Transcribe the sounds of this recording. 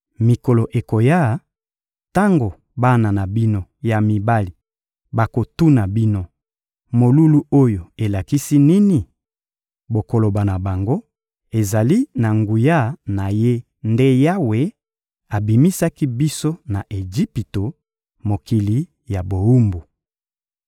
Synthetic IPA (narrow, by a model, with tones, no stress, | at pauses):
mi˨ko˨lo˨ʔe˨ko˨ja˦˨ | ta˦ŋɡo˨ | ba˦na˨na˨bi˦no˦ja˨mi˨ba˦li˨ | ba˨ko˨tu˦na˨bi˦no˦ | mo˨lu˦lu˦o˦jo˨e˨la˨ki˦si˦ni˦ni˨ | bo˨ko˨lo˨ba˨na˨ba˨ŋɡo˦ | e˨za˨li˦na˨ŋɡu˨ja˦˨na˨je˦ | nde˦ja˦we˨ | a˨bi˨mi˦sa˦ki˦bi˦so˦na˨ʔe˨d͡ʒi˦pi˨to˨ | mo˨ki˨li˨ | ja˨bo˨u˦mbu˨